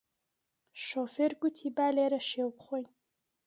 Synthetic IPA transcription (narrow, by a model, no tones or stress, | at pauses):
ʃofeɾɡut̪ʰibaːleɾɐʃewbχʷojn